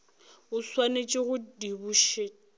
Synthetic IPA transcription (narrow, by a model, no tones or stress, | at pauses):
ʊswanet͡ʃʼɪɣʊdibuʃe